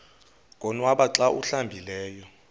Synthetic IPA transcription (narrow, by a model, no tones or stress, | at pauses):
kʼɔnwaɓaǁaʔuɬambʱilɛːjɔ